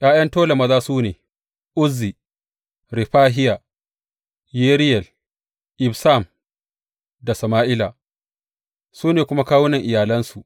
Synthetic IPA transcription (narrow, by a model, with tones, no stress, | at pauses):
j̰aː˦j̰ɐ˦ntoː˦la˨mɐ˦zaː˦suː˦neː˨ | ʔʊ˦zːi˨ | ɾɪ˨ɸaː˦ɦɪ˦ja˨ | jeː˦ɾɪ˦jɛ˨l | ʔɪ˨bsa˦˨m | da˨sɐ˨maː˦ʔɪ˦la˨ | suː˦neː˨kʷʊ˦ma˦kaː˦wʊ˦nɐ˨ŋʔɪ˨jaː˨lɐ˦nsu˨ʔ